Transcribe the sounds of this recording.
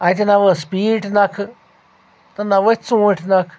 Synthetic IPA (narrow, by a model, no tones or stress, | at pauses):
ãit̪̬inaʋəspiːʈʰnakʰ | t̪ənaʋət͡sũːʈʰnakʰ